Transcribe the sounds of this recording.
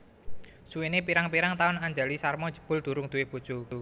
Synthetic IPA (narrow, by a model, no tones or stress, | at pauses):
suenepiɾaŋpiɾaŋt̪aʊnaɲd͡ʒa̤lisarmɔ̥d͡ʒə̤̥b̥ʊ̤ld̪̥ṳɾʊŋd̪̥ṳwɪhb̥u̥ʒ̥u